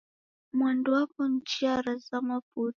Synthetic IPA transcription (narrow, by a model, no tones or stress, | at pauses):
mwanduwapɔn̩t͡ʃiaɾazamaput